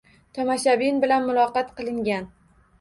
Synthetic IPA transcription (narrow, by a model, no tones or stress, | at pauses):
t̪ʰɒmaʃabinbɪlanmʊlˠɒqɑt̪qɨlˠɪŋɡʲan